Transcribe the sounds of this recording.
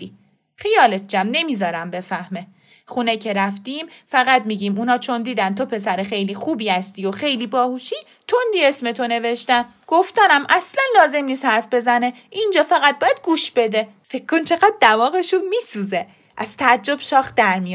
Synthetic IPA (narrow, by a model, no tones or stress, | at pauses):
d̪i | xijɒːle̞t̪̚d͡ʒæmne̞miːzɒːɾæmbe̞fæhme | χunecʰe̞ɾæft̪iːmfæɣæd̪miːɟimuːnhɒːt͡ʃʰond̪iːd̪ænt̪ʰo̞pʰe̞sæɾexe̞jliːxuːbiːhæst̪iːoxe̞jliːbɒːhuːʃi | t̪ʰond̪iesme̞t̪ʰo̞ne̞veʃt̪æn | ɡ̥oft̪ænæmʔæslænlɒːze̞mniːst̪hæɾfbe̞zæne̞ | ʔind͡ʒɒːfæɣæt̪̚bɒːjæd̪̥̚ɡuːʃb̥e̞d̪e | fe̞kʰkːont͡ʃʰe̞ɣæd̪̚ːævɒːɣeʃumiːsuːze | ʔæz̥t̪ʰææd͡ʒːo̞b̥ʃɒːxd̪æɾmij